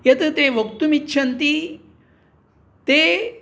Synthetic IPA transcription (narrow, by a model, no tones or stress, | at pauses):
jɐt̪ɐt̪eʋəkt̪umitːʃʰɐnt̪i | t̪e